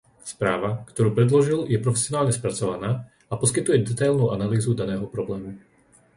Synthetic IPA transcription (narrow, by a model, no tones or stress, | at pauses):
spɾaːʋakt̪ɔɾuːpɾɛd̪lɔʒiljɛpɾɔfɛ̥sɪɔnaːlɲɛspɾat͡sɔʋanaː | apɔskit̪ujɛd̪ɛt̪ajlnuːʔanaliːzud̪anɛːɦɔpɾɔblɛːmu